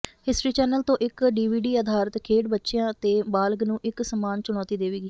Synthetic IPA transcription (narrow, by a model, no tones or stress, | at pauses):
hɪsʈɾiːt͡ʃɛːnəlt̪õːʔɪkɖiːʋiːɖiːəd̪ʱaːɾət̪kʰeːɖbətːʃejãːt̪eːbaːlɡnũːʔɪksəmaːnt͡ʃʊɽ̃ɔːt̪iːd̪eːʋiːɡiː